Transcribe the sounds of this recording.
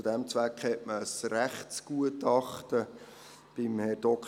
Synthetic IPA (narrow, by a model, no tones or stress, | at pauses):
ud̥ɛmt͡sʋækχɛʔməsræχtsɡ̥uətɑχtə | b̥ɪmhɛɾd̥ɔk